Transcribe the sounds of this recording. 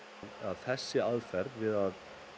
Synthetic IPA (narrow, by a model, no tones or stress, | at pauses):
ðaðθɛsːɪaðfɛɾd̪vɪðað